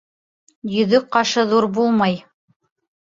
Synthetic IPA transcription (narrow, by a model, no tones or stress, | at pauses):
jɵ̆ðɵk̚qɑʃɤðuɾbulˠmɑj